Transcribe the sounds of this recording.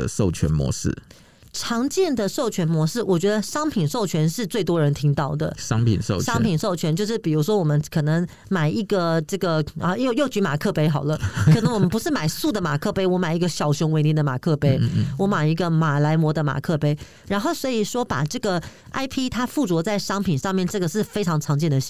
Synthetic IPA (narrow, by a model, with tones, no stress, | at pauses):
ʂo˥˩ʊt͡ɕʰɥɛ̰˧˦˥nmwɔ̰˧˦ʂɻ̩̰˥˩ | ʈ͡ʂʰɑ˧˥ŋt͡ɕjɛ˥˩nd̪ə˨ʂo˥˩ʊt͡ɕʰɥɛ˧˥nmwɔ˧˥ʂɻ̩˥˩wʔɔ˨˩t͡ɕɥɛ˧˥d̪ə˧ʂɑ˥ŋpʰi˨˩nʂo˥˩ʊt͡ɕʰɥɛ˧˥nʂɻ̩˥˧t͡swe˥˩ɪt̪wɔ˥ɻə˧˥nt̪ʰi˥ŋt̪ɑ˥˩ʊd̪ə̰˩ʂɑ˦ŋpʰḭ˨nʂo̰˥˨ʊʂɑ˥ŋpʰi˨˩nʂo˥˩ʊt͡ɕʰɥɛ˧˥nt͡ɕjo˥˧ʊʂ̬ɻ̩˥˩pi˨˩ɻu˧˥ʂwɔ˥wɔ˨˩mə˦nkʰɤ˨˩nɤ˧˥ŋ | ma˨˩ɪi˧˥ɡə˨ʈ͡ʂɤ˥˩ɡə˩ə˧jo˥˧ʊjo˥˩ʊt͡ɕy˧˥ma̰˨˩kʰɤ˥˧pe˥ɪxɑ˨˩ʊlə˦kɤ˨˩nɤə˧˦ŋwɔ˨m˧ə˦npu˧ʂɻ̩˥˩ma˨˩ɪsu˥˩d̪ə˩ma˨˩kʰɤ˥˧pe˥ɪwɔ˧˥ma˨˩ɪi˧˥ɡə˧ɕjɑ˨˩ʊɕʊ˧˥ŋwe˧˥ni˧˥˩d̪ə˧ma̰˨˩kʰɤ˥˩pe˥ɪwɔ˧˥ma˨˩ɪi˧˥ɡə˧ma˨˩la˧˥ɪmwɔ˧˥d̪ə˧ma̰˨˩kʰɤ˥˧˩pe˥ɪ | ɻa˧˥nxo˥˩ʊswɔ˧˥i˨˩ʂwɔ˥pa̰˨˩ʈ͡ʂɤ˥˩ɡə˩ | ʔa˥ɪpʰi˥t̪ʰa˥fu˥˩t͡swɔ˧˥t͡sa˥˩ɪʂɑ˥ŋpʰi˨˩nʂɑ˥˧ŋmjɛ˥˧nʈ͡ʂɤ˥˩ɡə˩ʂɻ̩˥˩fe˥ɪʈ͡ʂʰɑ˧˥ŋʈ͡ʂʰɑ˧˥ŋt͡ɕjɛ˥˩nd̪ə˩˥